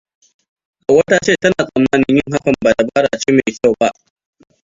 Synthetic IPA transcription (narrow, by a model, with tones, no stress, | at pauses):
ʔa˨wɐ˦taː˦t͡ʃeː˦˨tɐ˦naː˨sʼɐ˨mːaː˦nɪ˦ɲjɪ˦ŋɦa˦kɐ˨mbaː˨ta˨baː˦ɽa̰ː˨t͡ʃeː˦me˨jkʲa˦˨wba˦ʔ